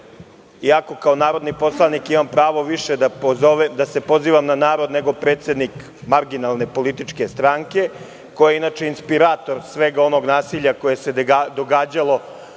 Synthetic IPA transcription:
iako̞kaonaːɾo̞d̪nipo̞slˠanikimampɾaːʋo̞ʋiʃed̪aoed̪ase̞po̞ziːʋamnanaːɾo̞d̪ne̞ɡo̞pɾet̪se̞d̪nik | maɾɡinalne̞po̞lit̪it͡ʂke̞st̪ɾaːŋke̞ | ko̞jeinaːt͡ʃe̞inspiɾaːt̪o̞ɾsʋe̞ɡao̞no̞ɡnaːsiʎako̞je̞se̞d̪o̞ɡaːd͡ʑalˠo̞

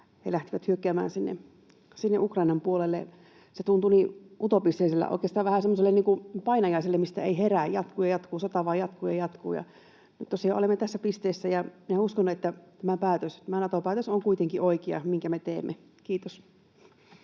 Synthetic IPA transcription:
hḛlæht̪iʋæt̪hyøkːæːmæ̰ːnsinːḛ | sinːeʔukrɑinɑmpuolelːḛ | set̪unt̪uniʔut̪opist̪eˑiselːæ̰ʔo̰ikeːst̪ɑːʋæhæsemːoselːeniːŋkupɑinɑjɑiselːemist̪æeiɦeræːjjɑt̪kuːjɑjɑt̪kuːsɑt̪ɑʋɑːjɑt̪kuːjɑjɑt̪kṵːjɑ̰ | nyt̪tosiɑolemːet̪æsːæpist̪eːsːæjɑminæuskonːuet̪ːæt̪æmæpæːt̪øst̪æmænɑt̪opæːt̪øsoŋkuit̪eŋkiʔoikeɑ̰miŋkæmet̪eːmːe | kiːt̪os

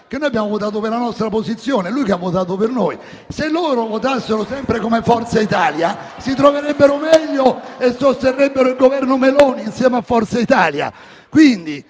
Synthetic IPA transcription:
k̟enːoːjabjaːmovot̪aːt̪̬opeɾlanɔst̪ɾaposit̪sːjoːneɛlːujkeavːot̪aːt̪̬opernoːj | selːoːɾovot̪asːeɾʊsɛmpɾekomefɔrt̪sait̪aːlja | sit̪ɾoveɾɛbːeɾomɛʎːoesːost̪erːɛbːeɾoilɡovɛrnʊmelɔːniːnsjɛːmeafːɔrt̪sait̪aːlja̰ | kwind̪i

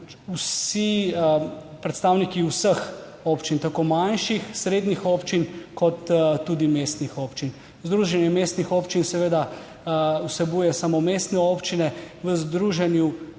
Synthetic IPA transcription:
usi | pɾɛt̪st̪aːwnikiusəx | oːpt͡ʃint̪akoːmanʃixsɾeːd̪nixoːpt͡ʃinkʰɔt̪ːud̪imest̪nixoːpt͡ʃin | zd̪ɾuːʒɛnjɛmeːst̪nixoːpt͡ʃinsɛʋeːd̪a | wsɛbuːjɛsamomest̪nɛopt͡ʃinɛ | ʋəzd̪ɾuːʒɛnju

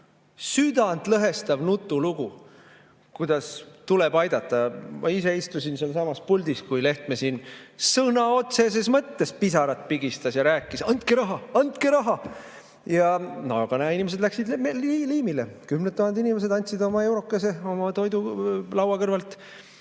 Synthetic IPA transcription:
syd̪̥ɑnd̪lɤɦe̞st̪ɑvnut̪ːˑuluɡ̥u | kujd̪̥ɑst̪uleb̥ɑjd̪̥ɑt̪ːˑɑmʔɑ̰ise̞ist̪usinselsɑmɑspulʲd̪̥iskujle̞ht̪mesinsɤnɑo̞t̪se̞s̬esmɤt̪ːe̞spisɑɾɑt̪̚piɡist̪ɑsjɑɾæːkːˑisɑnt̪keɾɑɦɑɑnt̪̚keɾɑɦɑ | jɑnoɡ̥ɑnæinʲimes̬ed̪læksid̪mliliːmilekymnet̪ːˑuhɑnd̪inimes̬e̞d̪ɑnʲt̪sid̪o̞mɑe̞wɾo̞kːˑɑse̞o̞mɑt̪o̞jd̪ulɑwɑkɤrvɑlt̪ˑ

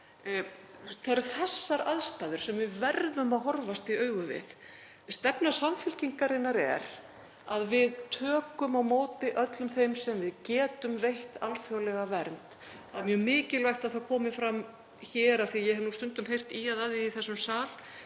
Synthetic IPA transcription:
θaɾɾθɛsːaɾaðst̪aːðʏɾ̥sɛmvɪðvɛɾðʏmaðɦɔɾvast̪iœːɥɣʏvɪ̰ð | st̪ɛpnasamfɪl̥ciŋkaɾɪnːaɾɛ̰ɾ | aðvɪðt̪ʰœːkʏmawmoːwt̪ɪʔœt̪lʏmθejmsɛmvɪðcɛːt̪ʏmvejht̪alfjɔwlɛɣavɛɾnt̪ | θamjœːmɪːcɪlvajht̪aðθaðkʰɔːmɪfɾam | çɛːɾaθijɛɦnust̪ʏnt̪ʏmɦejr̥t̪iaðaðɪiθɛsːʏmsaːl̥

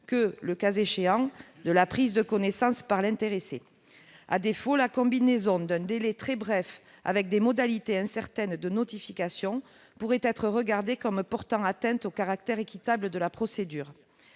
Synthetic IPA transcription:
kələkazeʃeɑ̃d̪əlapχizd̪əkɔnesɑ̃spaʁlɛ̃nt̪eʁese | a̰d̪efolakɔ̃binezɔ̃d̪ɛ̃d̪elɛt̪χɛbʁɛf | a̰vɛk̚d̪emɔd̪alit̪eɛ̃sɛʁt̪ɛnd̪ənɔt̪ifikasjɔ̃ | puʁɛt̪ɛt̪χəʁəɡaʁd̪ekɔmpɔʁt̪ɑ̃at̪ɛ̃nt̪okaʁak̚t̪ɛʁekʲit̪abləd̪əlapχɔsed̪yːʁ

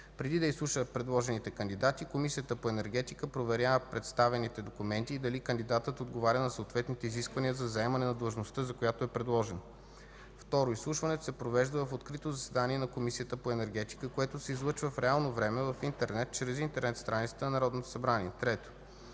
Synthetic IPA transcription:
pɾɛd̪id̪ɐislˠuʃəpɾɛd̪lˠɔʒɛnit̪ɛkənd̪id̪at̪ikomisijət̪əpoɛnɛɾɡ̟ɛt̪ikəpɾovɛɾʲjavəpɾɛt̪st̪avɛnit̪ɛd̪okumɛnt̪iːd̪ɐlikənd̪id̪at̪ət̪od̪ɡovaɾʲənɐsoːt̪vɛt̪nit̪ɛiziskvɐnijəzɐzɐɛmɐnɛnɐd̪əlˠʒnost̪əzɐkojat̪oɛpɾɛd̪lˠɔʒɛn | ft̪ɔɾoislˠuʃvɐnɛt̪o̥sɛpɾovɛʒd̪əvɐfot̪kɾit̪ozɐsɛd̪aniɛnɐkomisijət̪əpoɛnɛɾɡɛt̪i̥kəkoɛt̪osɛizlˠɤt͡ʃvəfɾɛalˠnovɾɛmɛvɐfint̪ɛɾnɛt̪̚t͡ʃɾɛzint̪ɛɾnɛt̪st̪ɾanit̪sɛt̪ənɐnɐɾɔd̪not̪o̥sɐbɾaniɛt̪ɾɛt̪o̥

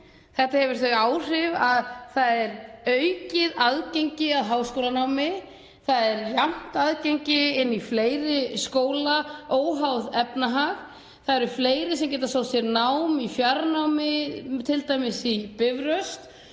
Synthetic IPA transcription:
θɛht̪ahɛvʏɾ̥θveaːwr̥ɪvaðθaðɛɾœɥcɪðaðcejɲcɪaðɦaːwskoːwlanawmɪ | θaðɛɾjam̥t̪aðceɲcɪɪnːifleːjɾɪskoːwlaoːwɦawðɛpnaɦaɣ | θaðɛɾʏfleːjɾɪsɛmcɛːt̪asowsɛɾnawmifjaɾnawmɪt̪ʰɪlt̪aːjmɪsipɪvɾœst̪

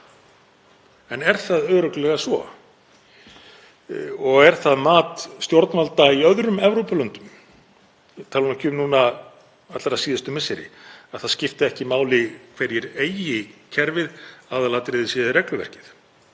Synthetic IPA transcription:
ɛnɛɾ̥θaðœːɾœklɛɣasvɔ̰ | ɔɣɛɾ̥θaðmaːt̪st̪joɾt̪nvalt̪aiœðɾʏmɛvɾowpalœnt̪ʏm | t̪ʰalunacʰʏːmnuːna | at̪laɾasiːðɪst̪ʏmɪsɪɾɪ̰aðθaðscɪft̪ɪɛhcɪmaːwlɪkʰvɛɾjɛɾeːjɪcʰɛɾvɪðaːðalaːt̪ɾɪðɪsiðɪrɛklʏvɛ̰r̥cɪ̥θ

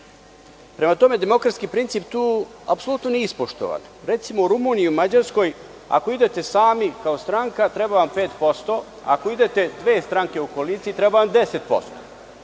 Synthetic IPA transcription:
pɾe̞mat̪o̞med̪e̞mo̞kɾat̪skipɾint̪siːpt̪uː | apsolˠut̪noniispoʃt̪o̰ʋa̰n | ɾe̞t̪simo̞uɾumuːniiumad͡ʑaɾsko̞j | a̰ko̞id̪e̞t̪e̞saːmikaost̪ɾaŋkat̪ɾebaʋampe̞ːt̪po̞st̪o̞ | a̰ko̞id̪e̞t̪e̞d̪ʋe̞ːst̪ɾaŋke̞okoliːt̪siit̪ɾebaʋamd̪ese̞t̪̚po̞̰st̪o̰

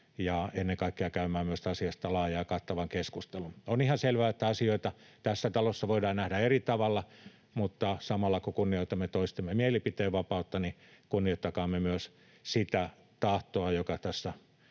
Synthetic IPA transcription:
jɑenːeŋkɑikːeɑkæymæːmyøst̪ɑsiɑst̪ɑlɑːjɑjːkɑt̪ːɑʋɑŋkeskust̪elunonihɑnselʋæːet̪ːæɑsioit̪ɑt̪æsːæt̪ɑlosːɑʋoidɑːnnæhdæerit̪ɑʋɑlːɑ | mut̪ːɑsɑmɑlːɑkokunːioit̪ɑmːet̪oist̪emːemieelipit̪eːʋʋɑpɑut̪ːɑnikunːioit̪ːɑkɑːmːemyøs | sit̪æ | t̪ɑht̪oɑjokɑt̪æsːæ

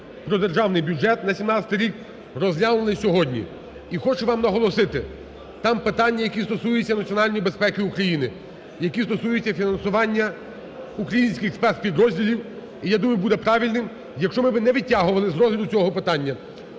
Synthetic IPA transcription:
pɾɔd̪erʒɑwnɪjbʲjʊd͡ʒɛt̪nɐsʲimnɑt͡sʲɐ̥t̪ɪjɾʲik | ɾɔzʲlʲanonˠɪsʲɔɦɔdʲnʲḭ | ixɔt͡ʃʊʋɑmnɐɦɔlˠɔsɪt̪ɪ | t̪ɑmpɪt̪ɑnʲːɐjɐkʲist̪ɔsujʊt͡sʲːɐnɐt͡sʲiɔnɑlʲnʲijibespɛkɪukɾɐjinɪ | jɐkʲist̪ɔsujʊt͡sʲːɐfʲinɐnsʊʋɑnʲːɐ | ukɾɐjinʲsʲkʲɪxspɛrt̪pʲid̪ɾɔzʲdʲilʲiw | ijad̪umʊjʊbud̪ɛpɾɑʋʲilʲnɪm | jɐkʃt͡ʃɔmɪbɪnɛʋʲitʲːaɦʊʋɐlˠɪzɾɔzʲlʲɐd̪ʊt͡sʲɔɦɔpɪt̪ɑnʲːɐ

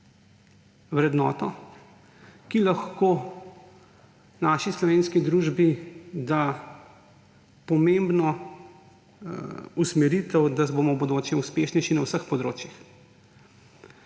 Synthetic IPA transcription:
wɾɛd̪nɔːt̪ɔ | kilaxkoː | naːʃislɔʋeːnskid̪ɾuːʒbid̪a | pɔmembnɔ | usmɛɾit̪ɛwd̪abomɔbod̪oːt͡ʃɛuspeʃnɛjʃinawsəxpɔd̪ɾoːt͡ʃjix

